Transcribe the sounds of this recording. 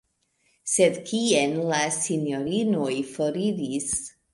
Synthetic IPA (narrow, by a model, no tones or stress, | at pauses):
se̞d̪kienlasinjo̞ɾino̞jfo̞ɾiɾis